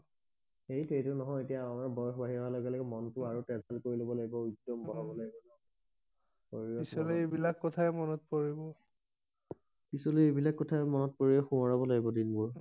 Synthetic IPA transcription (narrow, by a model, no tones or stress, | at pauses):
xejtɹejtʊnɔɦɔjetijanaɹbɔjɔxɔbaɦiɹɔɦalɔɡɛlɔkɛmɔntʊaɹutɛzalkoɹilobɔlaɡibɔudːɔmbɔlɔbɔlaɡibɔnɔ | koɹiɹɔisɔlebilakːɔtʰaɛmɔnɔt̚poɹibɔ | pisɔleebilakːɔtʰaɛmɔnɔt̚poɹiɛxũɔɹabɔlaɡibɔdinmuɹ